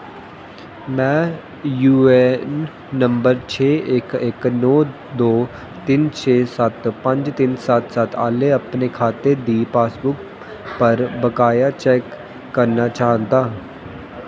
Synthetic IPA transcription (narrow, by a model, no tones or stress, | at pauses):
mɛ̃ː | juːɛnː | ə̃mbəɾt͡ʃʰeːekɪknɔː | d̪oː | t̪ɪnt͡ʃʰeːsət̪pə̃ɲd͡ʒt̪ɪnsat̪sat̪a̰ːleɐpnekʰaːt̪ed̪iːpaːsbʊk̚ | pəɾbəkaːjat͡ʃɛːkː | əɾnat͡ʃaːɦnd̪aː